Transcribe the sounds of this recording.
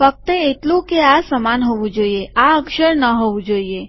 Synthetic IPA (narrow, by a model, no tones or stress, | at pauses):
fək̚t̪əeʈlũkeasəmanɦoʋũd͡ʒoieaəkʃəɾnəɦoʋũd͡ʒoie